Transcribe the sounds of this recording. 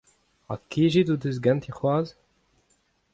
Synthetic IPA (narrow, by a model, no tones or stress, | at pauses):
a̰kiʒidud̪øz̬ɡãnt̪ʰeχwaːz